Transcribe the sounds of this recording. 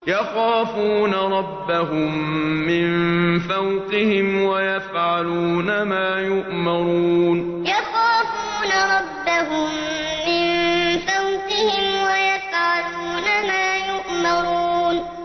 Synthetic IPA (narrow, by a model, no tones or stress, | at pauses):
jɑxaːfuːnaɾˤɑbːaɦʊmːɪnfawqɪhɪmwajafʕaluːnamaːjʊʔmɑɾuuːn | jɑxaːfuːnaɾˤɑbːaɦʊmː | ɪnfawqɪhɪmwajafʕaluːnamaːjʊʔmɑɾˤuːn